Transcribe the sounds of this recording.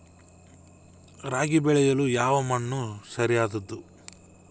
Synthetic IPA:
ɾaːɡibɛɭɛjɐlujaːʋɐmɐɳːusɐɾijaːd̪ɐd̪ːu

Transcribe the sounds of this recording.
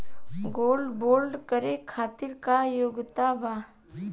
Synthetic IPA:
ɡoːlɖboːlɖkəɾekʰaːt̪ɪɾkajoɡt̪abaː

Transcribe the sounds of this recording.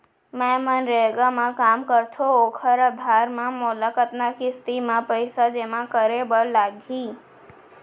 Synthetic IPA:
mɛmənɾeɡamãkamkəɾt̪ʰookʰəɾəd̪ʱaɾmãmulakət̪nakʰist̪imãpəjsad͡ʒemãkəɾebəɾlaɡʱi

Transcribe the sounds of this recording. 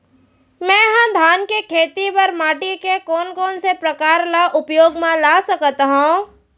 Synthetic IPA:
mɛ̃ːɦɐ̃d̪ʱaːnkekʰeːt̪ipɐɾmaːʈikekɔːnkɔːnsepɾɐkaːɾlaʔʊpjoːɡmãlaːsɐkt̪ɦũ

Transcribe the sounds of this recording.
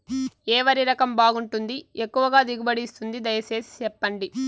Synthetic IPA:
ɛːʋɐɾiɾɐkɐmbaːɡuɳʈund̪iekːuʋɐɡaːd̪iɡubɐɽist̪und̪id̪ɐjɐse̞ːsi̥t͡ʃɛpːɐɳɖi

